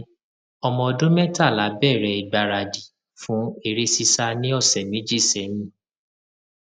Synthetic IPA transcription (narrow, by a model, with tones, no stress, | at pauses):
ɔ˧mɔ̃˧dũ˦mɛ̃˦ta˦˨la˨˦bɛ˦˨ɾɛ˧i˨ɡ͡ba˨ɾa˨di˨ | fũ˨˦e˧ɾe˦si˧sa˧nĩ˦ɔ˦˨sɛ˨mĩ˨˦d͡ʒi˦˨sɛ˨˦nĩ˦˨